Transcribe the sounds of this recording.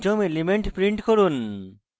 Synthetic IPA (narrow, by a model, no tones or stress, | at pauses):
d͡ʒɔmelimeɳʈpɾiɳʈkɔɾun